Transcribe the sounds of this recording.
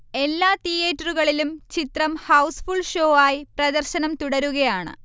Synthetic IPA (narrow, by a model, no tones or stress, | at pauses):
e̞lːaːt̪ijeːtːɐruɣɐɭilumt͡ɕit̪rɐmhɐwsfuɭʂo̞ːaːjiprɐd̪ɐrɕɐnɐmt̪uɽɐɾuɣɐjaːɳɨ̰